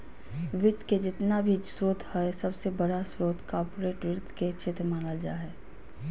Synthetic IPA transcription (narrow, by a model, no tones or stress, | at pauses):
ʋɪt̪ked͡ʒɪt̪nabʱisɾoːt̪ʰhɛsɐbsebɐɽasɾoːt̪kaːpʊɾeːʈɾɪt̪ʰket͡ʃʰɪt̪ɾmãlad͡ʒa̰ːɦɛː